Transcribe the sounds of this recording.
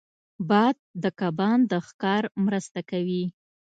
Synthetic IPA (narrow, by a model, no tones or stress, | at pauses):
bɑd̪̚ːəkɑbɑnd̪əxkɑɾmɾəst̪akawi